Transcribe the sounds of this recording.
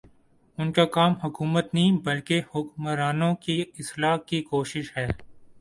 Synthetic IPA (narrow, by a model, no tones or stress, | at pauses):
ʊnkakaːmɦʊkuːmət̪nɐɦĩbɐlkehʊkmɾaːnõkiɪslaːkikoːʃɪʃɦɛː